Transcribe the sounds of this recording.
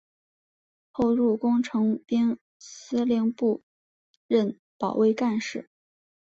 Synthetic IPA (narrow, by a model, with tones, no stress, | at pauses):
xo˥˧ʊɻu˥˩kʊ˥ŋʈ͡ʂʰɤ˧˥ŋpi˥n | sɹ̩˥ljɛ˧ŋpu˥˧ | ɻə˥˩n | pɑ˨˩ʊwe˥˧ɪka˥˧nʂɻ̩˥˩